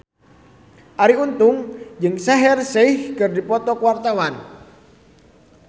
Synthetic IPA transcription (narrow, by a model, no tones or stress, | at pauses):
ʔaɾiunt̪ʊŋd͡ʒɨŋsɛɦɛrsehkɨrdipɔt̪ɔkuwart̪awan